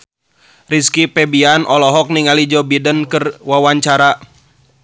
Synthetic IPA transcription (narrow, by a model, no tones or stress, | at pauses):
riskipɛbianʔɔlɔɦɔk̚niŋalid͡ʒɔbidənkərwawaɲt͡ʃaɾa